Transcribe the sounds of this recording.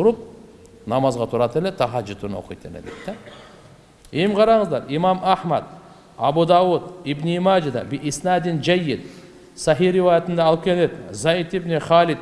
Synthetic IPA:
t̪ʊɾəp̚ | nɑmɑzʁɑt̪ʰʊɾɑt̪elet̪ʰɑʁɑʒɪt̪ʰunwo̰qijt̪ʰḛlḛd̪ḛt̪ːa | emqʰɑɾɑɴəzd̪ɑɾimamʔaħma̰d̪ | abud̪ɑwud̪ibniimad͡ʒad̪a̰biʔisnad̪ɪnd͡ʒæjːɪd̪ | sɑɦijɾivajat̪ɪnd̪ɑːlˠkʲʰelet̪zait̪ibneχalɪd̪

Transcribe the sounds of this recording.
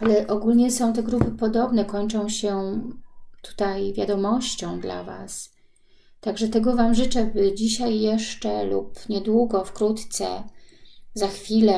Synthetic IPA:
alɛʔɔɡulɲɛsɔ̃w̃t̪ɛɡɾupɘpɔd̪ɔbnɛkɔɲt͡ʂɔ̃w̃ɕɛ | t̪u̥t̪ajvʲja̰d̪ɔmɔɕt͡ɕɔ̃w̃d̪la̰va̰s | t̪aɡʐɛt̪ɛɡɔvamʐɘt͡ʂɛbɘd͡ʑiɕajːɛʂt͡ʂɛlṵpɲɛd̪wuɡɔfkɾut̪t̪sɛ̰ | zaxfʲilɛ

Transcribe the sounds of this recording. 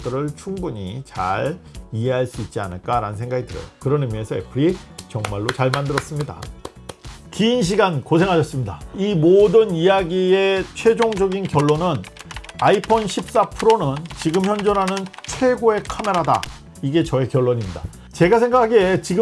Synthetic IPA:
t͈ɯɾɯɭt͡ɕʰuŋbuɲḭt͡ɕa̰ɾiɦe̞ɦaɭs͈uit̚t͡ɕ͈ia̰nɯɭk͈aɾanɯnsʰe̞ŋɡaɡidɯɾjʌ̰jokɯɾʌnɯmie̞sʰʌḛpʰɯɾit͡ɕʌŋmaɭːot͡ɕaɭmandɯɾʌs͈ɯmɲida̰ | kiːnɕ̬ʰiɡankosʰe̞ŋɦaɕʰʌs͈ɯmɲidaimodɯnijaɡie̞t͡ɕʰwe̞d͡ʑoŋd͡ʑʌɡinkjʌɭːonɯnaipʰʌnɕʰip̚s͈apʰɯɾonɯnt͡ɕiɡɯmçjʌnd͡ʑʌɾɦanɯnt͡ɕʰwe̞ɡoe̞kʰame̞ɾada̰ | iɡe̞t͡ɕʌe̞kjʌɭːoɲimɲida̰ | t͡ɕe̞ɡas̬ʰe̞ŋɡakʰaɡet͡ɕiɡɯ

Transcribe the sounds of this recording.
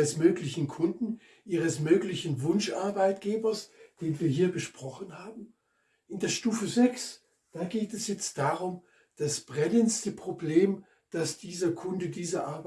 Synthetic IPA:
əsmøːklɪçn̩kʰʊndn̩ | ʔiːʁ̞əsmøːklɪçn̩vʊnʃʔaɐbaɪtɡ̥eːbɐsd̥eːnviːɐɦiːɐbəʃpʁ̥ɔχn̩haːbm̩ | ʔɪndeːɐʃtuːfəzɛks | d̥aːɡeːtɛsjɛt͡st̚d̥aːʁʊm | d̥asb̥ʁɛnənstəpʁ̥obleːm | d̥asd̥iːzɐkʰʊndədiːzɐʔaɐb

